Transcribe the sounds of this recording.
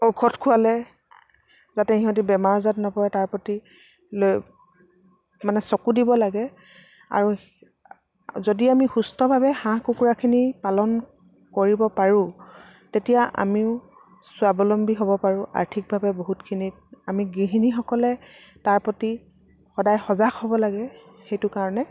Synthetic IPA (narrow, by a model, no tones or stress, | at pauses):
okʰɔtkʰʊalɛ | zatɛhiɦɔ̃t̬ibɛmaɹɔzatnɔpɔɹɛtaɹpɔti | loj | manɛsɔkudibɔlaɡɛ | a̰ɹu | zodiamixustɔbʱabɛhãkukuɹakʰinipalɔn | koɹibɔpaɹũ | tetijaʔa̰miʊ | sʊabɔlɔmbiɦobɔpaɹʊ̃ʔa̰ɹtʰik̚bʱabɛboɦutkʰinitamiɡiɦinixɔkɔlɛ | taɹpɔti | xɔdajxɔzakhobɔlaɡɛ | xejtʊkaɹɔnɛ